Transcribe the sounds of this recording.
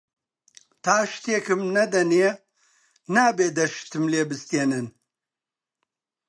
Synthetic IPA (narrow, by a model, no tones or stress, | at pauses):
t̪ʰaːʃt̪eːkɨmnɐd̪ɐne | naːbeːd̪ɐʃt̪ɨmleːbɨst̪eːnɨn